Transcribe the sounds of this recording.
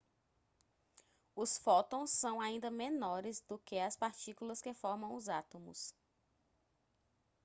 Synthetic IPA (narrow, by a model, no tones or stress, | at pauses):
ʊsfɔt̪õw̃sːɐ̃w̃aĩnd̪ɐmẽnɔɾɪzd̪ʊkeɐspaɾt͡ʃikulɐskefɔɾmɐ̃w̃ʊzat̪õmʊ̰s